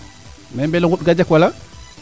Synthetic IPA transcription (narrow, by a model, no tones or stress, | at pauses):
membeloŋɡuɗɡad͡ʒakwala